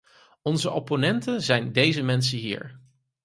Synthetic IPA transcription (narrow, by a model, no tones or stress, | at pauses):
ɔnzəʔoponɛntənzɛjndejzəmɛnsəɦḭːɹ